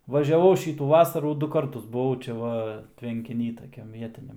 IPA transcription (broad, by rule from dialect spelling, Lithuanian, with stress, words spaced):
ʋɐʒʲɛˈʋɐʊ ˈʃʲiːtuː ˈʋɑːsɐruː ˈdʊ ˈkɐrtʊs bʊˈʋɐʊ t͡ʃʲɛ ˈʋɐ tʲʋʲɛŋʲkʲɪˈnʲiː tɐˈkʲɛm ˈʋʲiɛtʲɪnʲɛm